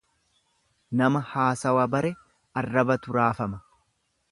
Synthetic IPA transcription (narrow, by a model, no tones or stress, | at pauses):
nɐmɐhaːsɐwɐbɐɾɛ | ɐrːɐbɐt̪ʊɾaːfɐmɐ